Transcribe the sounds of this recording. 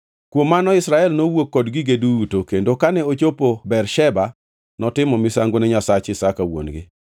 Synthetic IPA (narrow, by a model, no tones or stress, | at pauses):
kwomːanɔɪsɾaɛlnowokːɔdɡɪɡeduutokendokanɛot͡ʃopobɛrʃɛba | nɔtɪmɔmɪsaŋɡonɛɲasat͡ʃɪsakawo̰nɡɪ̰